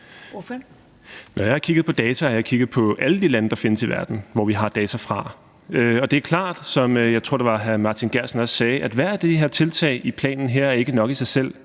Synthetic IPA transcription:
nʔɒjɑ̈ɪhɑ̈kʰiɡ̥ð̩ˠpʰɒ̽d̥ɛːt͡sʰææɐjɑɪkʰiɡ̥ð̞̩ˠpʰɒ̽ʔæləd̥ilænəd̥ɑ̈fe̝nəsiʋæɐd̥n̩ʋɒʋiɦɑ̈d̥ɛːt͡sʰæfʁɑ̈ | øɒ̽d̥e̝æɐkʰlɑ̰̈ːd̥sɒ̽møjɑ̈ɪt͡sʰo̝ɐ̰de̝ʋɑ̈ɦæmɑ̈t͡sʰinɡ̥æɐ̰sn̩ɒ̽ssɛːʔæd̥ʋæɐæd̥e̝ɦeɐt͡sʰe̝lt͡sʰɛ̰ːɪʔipʰlɛ̰ːnn̩ɦeɐ̰æɐe̝ɡ̥ənɒ̽ɡ̥isɑ̈ɪsel̰

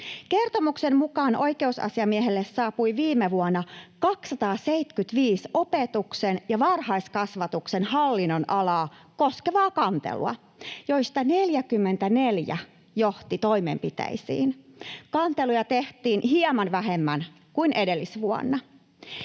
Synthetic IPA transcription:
ke̞rt̪omuksemmukɑːnʔo̞jke̞usɑ̰siɑmieɦelːessɑːpujʋiːmeʋuɑnːɑkɑksːɑt̪ɑːseit̪kyt̪ʋiːso̞pet̪uksenjɑʋɑrhɑiskɑsʋɑt̪uksenhɑlːinːonʔɑlɑː | koskeʋɑːkɑnt̪ḛlṵɑ̰ | joist̪ɑne̞ljækymːent̪æneljæ̰ | joht̪it̪oimḛmpit̪æ̰isḭːnkɑnt̪elujɑt̪eht̪iːnhiɑmɑnʋæɦemːæn | kuinʔede̞lːisʋuɑ̰nːɑ

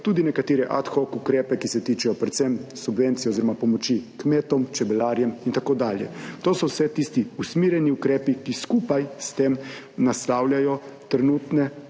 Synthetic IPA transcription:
t̪ud̪inɛkat̪eːɾɛʔat̪xɔkukɾɛːpɛkisɛt̪iːt͡ʃɛjɔpɾɛt̪sɛmsubʋent̪sijɛoziɾɔmapɔmɔt͡ʃikmeːt̪ɔmt͡ʃɛbɛlaɾjɛmint̪akoːd̪aːljɛ̰t̪oːsɔwsɛt̪ist̪iusmiːɾjɛniukɾɛːpikiskuːpajst̪eːm | naslawljajɔt̪ɾɛnuːt̪nɛ

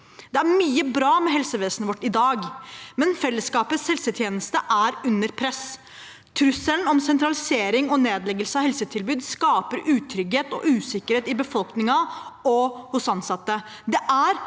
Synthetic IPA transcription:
d̪ɛæɾmyːəbɾɑːmɛɦɛlsəʋeːsnəʋɔʈːɪd̪ɑːɡmɛnfɛlːəskɑːpəshɛlsət̪ʰjeːnəst̪əʔæɾʉnːəɾpʰɾɛs | t̪ʰɾʉsːəln̩ɔmsɛnt̪ɾɑlɪseːɾɪŋɔneːd̪lɛɡəlsəɑhɛlsət̪ʰɪlbʉːd̪skɑːpəɾʉːt̪ʰɾʏɡheːt̪ɔ̰ʔʉːsɪkːəɾheːt̪ɪbəfɔlknɪŋɑɔhʊsɑnsɑt̪ːə | d̪ɛʔæɾ

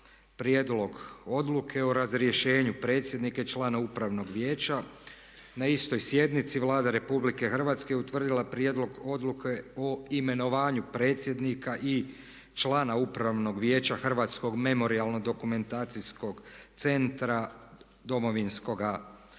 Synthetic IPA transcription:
pɾje̞d̪lo̞ɡo̞d̪lukʰe̞oɾazɾje̞ʃe̞ːɲupɾe̞ːt̪sje̞d̪nikait͡ʃlˠaːnaupɾaʋno̞ɡʋjeːt͡ɕa | naist̪o̞jsje̞d̪nit̪siʋlˠaːd̪aɾe̞publike̞xr̩ʋat̪skejut̪ʋr̩d̪ilˠapɾje̞d̪lo̞ɡo̞d̪lukʰeoime̞no̞ʋaːɲupɾe̞ːt̪sʲje̞d̪nikaʔi | t͡ʃlˠaːnaupɾaʋno̞ɡʋje̞ːt͡ɕaxr̩ʋaːt̪sko̞ɡme̞mo̞ɾialˠno̞d̪o̞kume̞nt̪aːt̪sisko̞ɡt̪se̞nt̪ɾa | d̪o̞mo̞ʋinsko̞ɡa

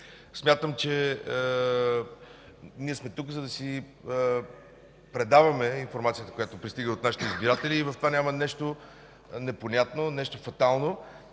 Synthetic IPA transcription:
smʲjat̪əmt͡ʃɛ | niɛsmɛt̪ukzɐd̪ɐsi | pɾɛd̪avɐmɛinfoɾmat̪sijət̪əkojat̪opɾist̪iɡəot̪naʃi̥t̪ɛizbiɾat̪ɛliːvɐft̪ovanʲamənɛʃt̪o | nɛponʲat̪nonɛʃt̪ofɐt̪alˠno

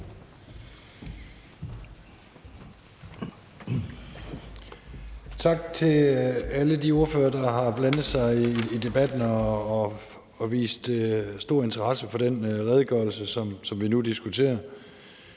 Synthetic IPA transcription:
t͡sʰɑ̈ɡ̥̚t͡sʰe̝lælədio̝ɐføːɐd̥ɑ̈ɦɑ̈b̥lænð̩ˠsɑ̈ɪiːd̥e̝b̥æd̥n̩ɒː | ʋḭːsd̥sd̥o̝ɐe̝nt͡sʰɐʁɑ̈səfɒ̽d̥enʁɛð̞ˠɡ̥œ̰ːl̩səsɒ̽msɒ̽mʋinudisɡ̥ut͡sʰe̝̰ːɐ

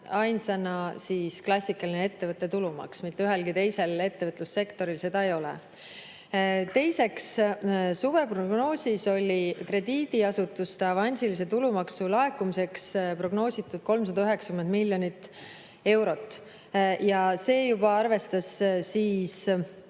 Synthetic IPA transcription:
ɑjnsɑnɑsiːsklɑsʲːikːˑɑlinee̞t̪ːe̞vɤt̪ːˑe̞t̪ulumɑ̰ksmit̪ːyɦe̞lkit̪e̞jse̞le̞t̪ːe̞vɤt̪lusːe̞kt̪o̞ɾilse̞d̪̥ɑejo̞lḛ | t̪e̞jse̞kssuve̞pro̞ɡno̞ːsʲiso̞lʲikre̞d̪̥iːd̪̥iɑsut̪ːˑust̪ɑvɑnʲsilis̬e̞t̪ulumɑksulɑe̞kːumise̞kspro̞ɡno̞ːsʲit̪ːˑud̪̥ko̞lmsɑd̪ɑyɦe̞ksɑkymend̪milʲːjo̞nit̪ːˑ | e̞wɾo̞t̪ːˑ | jɑse̞ːjub̥ɑɑrve̞st̪ɑsːiːs

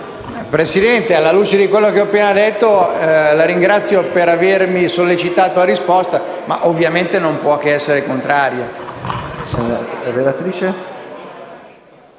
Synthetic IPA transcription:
pɾesid̪ɛnt̪ealːaluːt͡ʃed̪ikwelːokeɔpːeːnad̪et̪ːolaɾiŋɡɾat̪sːjopeɾavermisolːet͡ʃit̪aːt̪oaɾispɔst̪ama̰ʔovːjament̪enompwɔkeɛsːeɾekont̪ɾaːɾjo | sɛɾelat̪ɾiːt͡ʃe

